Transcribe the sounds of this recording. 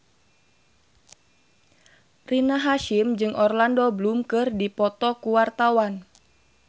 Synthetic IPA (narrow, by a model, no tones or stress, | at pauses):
rinaɦaʃimd͡ʒɨŋʔɔrlandoblumkɨrdipɔt̪ɔkuwart̪awan